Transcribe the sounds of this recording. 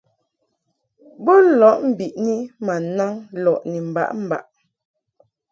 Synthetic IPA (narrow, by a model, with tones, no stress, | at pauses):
bɔ˦n˦lɔ˨˦ʔm̩˨bi˨ʔni˦ma˨na˦ŋlɔ˨ʔni˨m̩˨ba̰˦ʔm̩˦˨ba̰˨ʔ